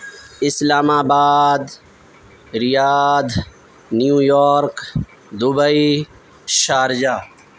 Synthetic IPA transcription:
ɪslaːmaːbaːd̪ | ɾɪjaːd̪ | njuːjoːɾk | d̪ʊbəi | ʃaːɾd͡ʒaː

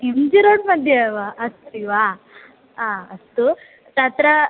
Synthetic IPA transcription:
emd͡ʒiɾoːʈmɐd̪ʱjaʋaɐst̪iʋa | aːɐst̪u | t̪aːt̪ɾa

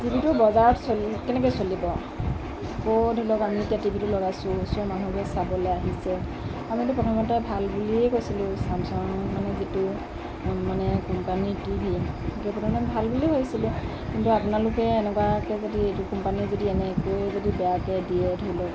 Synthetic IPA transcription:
zibʱitubɔzaɹɔtsolkɛnɛk̬ɔjsolibɔ | kodʱolɔkamietijatibʱitulɔɡajsʊ̃sɔmanubɛsabɔlɛaɦisɛ | amitupɹɔtʰɔmɔtɛbʱalbuliɛkojsilʊ̃samsɔŋmanɛzitʊ | manɛkɔmpanitibʱi | kɛpɹɔtʰmɔtɛbʱalbuliɦojsilʊ̃ | kintuapunalʊkɛːnɛkwakɛzodiejtukɔmpanizodiɛnɛkojzodibɛjakɛdiɛdʱojlɔk

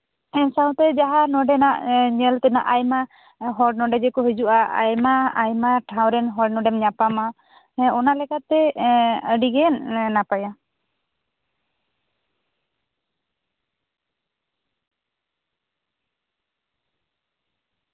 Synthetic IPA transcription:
ɛsaw̃t̪ɛd͡ʒaɦanɔɖɛnaʔɲəlt̪ɛna̰ʔajma | ɦɔɖnɔɖɛd͡ʒɛkɔɦɛd͡ʒuʔaa̰jmaajmaʈʰawɾɛnɦɔɽnɔɖɛmɲapama | ɔnalɛkat̪ːɛəɖiɡɛnnapaja

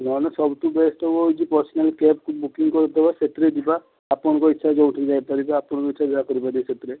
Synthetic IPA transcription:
nɔnɔsɔbt̪ubesʈɔbɔɦojt͡ʃʰipɔɾsɔnelkepkʰubukiŋkɔɾt̪ɔbaset̪ɾed̪ibaː | pɔnɔkɔitːʃʰad͡ʒɔuʈʰid͡ʒajpaɾibaːpɔɽɔkɔitːʃʰad̪ɔɾakɔɾibad̪iset̪ɾe

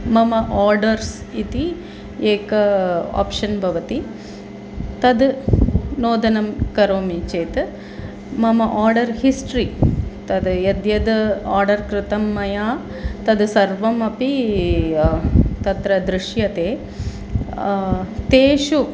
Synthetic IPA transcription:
mɐmɐʔaːɾɖɐɾs | it̪i | eːkɐa̰ːpʃɐnbʱɐʋɐt̪i | t̪ɐd̪ | noːd̪ɐnɐmkɐɾoːmit͡ʃeːt̪ | mɐmɐʔaːɾɖɐɾhisʈɾit̪ɐd̪jed̪jɐd̪aːɾɖɐɾkɾɪt̪ɐmːɐjaː | t̪ɐd̪sɐɾʋɐmɐpi | t̪ɐt̪ɾɐd̪ɾɪʂjɐt̪eː | t̪eːʃu

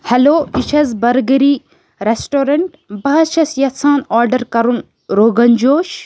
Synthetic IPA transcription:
hɛloːit͡ʃʰɐzbɐɾɡɐɾiː | ɾesʈoːɾɐɳʈ | bɐɦɐʃɐsjɐt͡sʰãːnaːɾɖɐɾkɐɾun | ɾoːɡɐnd͡ʒoːʃ

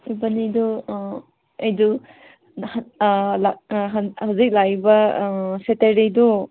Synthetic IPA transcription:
ibɐnidu | ejdu | hlaɦhawzik̚lajbɐseteɾidu

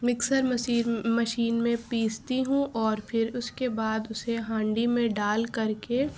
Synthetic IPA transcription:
mɪksəɾmɐsiːɾmɐʃiːnmẽpiːst̪iɦũʔɔːɾpʰɪɾʊskebaːd̪ʊseɦãːɳɖimẽɖaːlkɐɾke

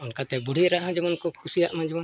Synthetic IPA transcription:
unkat̪ɛbuɽ̤iɾaʔɦãd͡ʒɔbɔnkɔkʰusijaʔmãd͡ʒɔbɔn

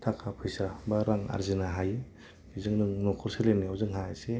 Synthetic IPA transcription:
tʰakʰapʰɯjsabaɾaŋa̰ɾzinaɦajɯ | izɯŋnɯŋnɔkʰɔɾseleniawzɯŋɦaase

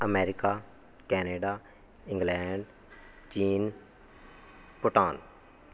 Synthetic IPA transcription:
əmeːɾɪkaː | kɛːneːɖaː | ɪ̃ŋɡlɛːɳɖ | t͡ʃiːn | pʊʈaːn

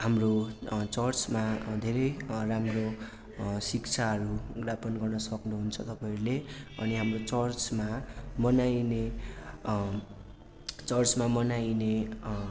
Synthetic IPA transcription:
hamrot͡sʌrt͡smad̪ʱeɾʌjramro | sikt͡sʰaɦʌɾuɡrapʌnɡʌrnʌsʌknuɦunt͡sʰʌt̪ʌpãʌɾuleʌ̰niɦamrot͡sʌrt͡smamʌnajne | t͡sʌrt͡smamʌnajne

